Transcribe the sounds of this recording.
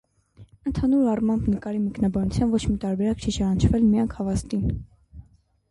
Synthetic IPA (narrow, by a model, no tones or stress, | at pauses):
ənt̪ʰɑnuɾɑrmɑmbnəkɑɾimɛknɑbɑnut͡sʰjɑnvɔt͡ʃʰmit̪ɑɾbɛɾɑkt͡ʃʰit͡ʃʰɑnɑnt͡ʃʰvɛlmijɑŋkʰhɑvɑst̪in